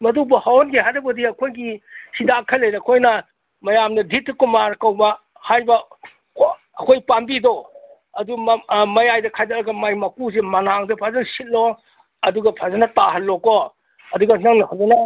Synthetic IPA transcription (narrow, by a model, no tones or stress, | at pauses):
mɐdubɐhawnɡeɦajdɐbɐdiɐkʰojɡisidakʰɐlːejɾɐkʰojnɐ | mɐjamdɐdʱitːkumaɾkɐwbɐ | hajbɐ | ɐkʰojpambido | ɐdumɐjajdɐkʰajdɐtɾɐɡɐmajmɐkus̬emɐnaŋdɐpʰazɐnsit̚lo | ɐduɡɐpʰazanɐtaɦɐnlːoko | ɐduɡɐnaŋnɐpʰazanɐ